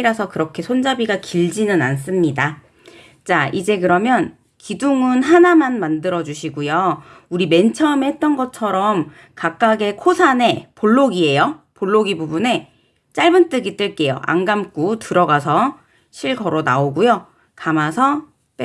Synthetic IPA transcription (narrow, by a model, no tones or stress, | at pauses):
ɾasʰʌkɯɾʌkʰe̞sʰond͡ʑabiɡakiɭd͡ʑinɯnans͈ɯmɲida | t͡ɕ͈aid͡ʑe̞kɯɾʌmjʌn | kiduŋɯnɦanamanmandɯɾʌd͡ʑuɕʰiɡujouɾime̞nt͡ɕʰʌmhe̞t̚t͈ʌnɡʌt͡ɕʰʌɾʌm | kak̚k͈aɡe̞kʰosʰane̞poɭːoɡie̞jopoɭːoɡibubune̞ | t͡ɕ͈aɭbɯnt͈ɯɡit͈ɯɭk͈e̞joʔa̰ŋɡamk͈utɯɾʌɡasʰʌ | ɕʰiɭɡʰʌɾona̰oɡujo | kamasʰʌ | p͈e